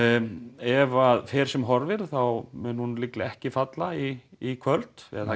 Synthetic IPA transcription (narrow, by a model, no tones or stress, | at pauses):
ɛvaðfɛːɾ̥sɛmɦɔɾvɪɾ̥θawmʏnhunlɪklɪɛhcɪfat̪laiːkʰvœlt̪ɛ̰ða